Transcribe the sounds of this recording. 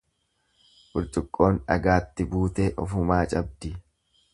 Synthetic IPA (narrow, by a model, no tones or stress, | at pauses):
ʔʊɾt̪ʼʊkʼːo̞ːnᶑɐ̰ɡaːt̪ːɪbuːt̪eːʔɔ̰fʊmaːt͡ʃʼɐb̚d̪ɪ